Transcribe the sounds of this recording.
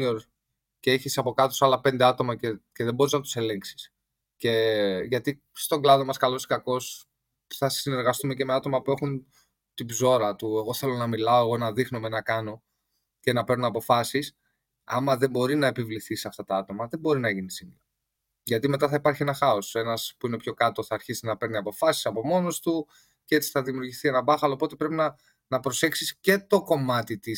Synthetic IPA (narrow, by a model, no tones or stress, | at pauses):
oɾ | ceeçisɐpo̞kɐt̪o̞sɐlɐpe̞nd̪e̞ɐt̪o̞mɐcece̞ðebo̞ɾiznɐt̪u̥se̞le̞ŋksi̥s | ce̞ʝɐt̪i | st̪o̞ɡlɐðo̞mɐskɐlo̞skɐko̞s | θɐsine̞ɾɣɐst̪ume̞ce̞me̞ɐt̪o̞mɐpue̞xun | t̪ibzo̞ɾɐt̪ue̞ɣo̞θe̞lo̞nɐmilɐoe̞ɣo̞nɐðixno̞menɐkɐno̞ | ce̞nɐpe̞ɾnunɐpo̞fɐsis | ɐ̰mɐðe̞mbo̞ɾinɐe̞pivliθisɐft̪ɐt̪ɐɐt̪o̞mɐðe̞bo̞ɾinɐʝinisimlɐ | ʝɐt̪ime̞t̪ɐθɐipɐɾçienɐxɐo̞se̞nɐspuine̞pço̞kɐt̪o̞θɐːɾçisinɐpe̞ɾniɐpo̞fɐsi̥sɐpo̞mo̞no̞st̪u | cee̞t͡si̥θɐðimiuɾʝiθie̞nɐbɐxɐlopo̞t̪e̞pɾe̞pinɐ | nɐpɾose̞ksisce̞t̪o̞ko̞mɐt̪it̪i